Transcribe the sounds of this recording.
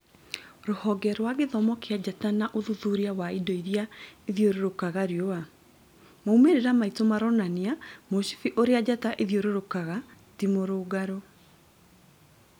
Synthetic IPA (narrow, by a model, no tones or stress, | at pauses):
ɾohɔɡɛɾwaɣeðɔmɔkead͡ʑatanaʔoðuðuɾiawaidoiðjaeðjoɾoɾokaɣaɾiɔa | moumeɾeɾamaitomaɾɔnaniamoɕi̥fiʔoɾead͡ʑataʔeðjoɾeɾokaɣa | timoɾoːɡaɾo